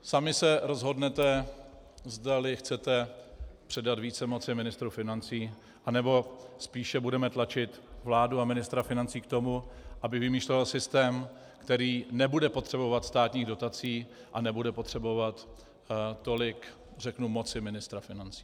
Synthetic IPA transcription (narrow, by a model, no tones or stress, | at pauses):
samɪsɛɾo̞zɦo̞dnɛt̪ɛ | zdalɪxt͡sɛt̪ɛpr̝̥ɛdat̪viːt͡sɛmo̞t͡sɪmɪnɪst̪ɾufɪnant͡siː | ʔanɛbo̞spiːʃɛbudɛmɛt̪lat͡ʃɪt̪vlaːduamɪnɪst̪ɾafɪnant͡siːkt̪o̞muʔabɪvɪmiːʃlovalsɪst̪ɛːm | kt̪ɛɾiːnɛbudɛpo̞t̪r̥ɛbo̞vat̪st̪aːt̪ɲiːɣdo̞t̪at͡siː | ʔanɛbudɛpo̞t̪r̥ɛbo̞vat̪ː | o̞lɪk | rɛknumo̞tt͡sɪmɪnɪst̪ɾafɪnant͡si̥ː